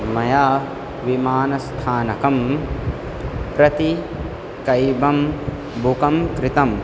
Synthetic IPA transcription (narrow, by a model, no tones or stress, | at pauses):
mɐjaː | ʋimaːnɐst̪ʰaːnɐkɐm | pɾɐt̪i | kɐjbɐm | bʱukɐmkɾɪt̪ɐm